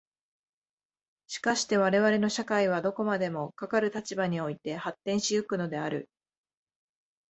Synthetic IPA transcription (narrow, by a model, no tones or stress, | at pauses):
ɕi̥kaɕi̥t̪e̞β̞aɾe̞βaɾe̞no̞ɕakaiβ̞ad̪o̞ko̞mad̪e̞mo̞kakaɾɯ̟t̪at͡ɕibaɲ̟io̞it̪e̞hat̪ːẽ̞ɰ̃ɕijɯkɯ̟no̞d̪e̞aɾɯ̟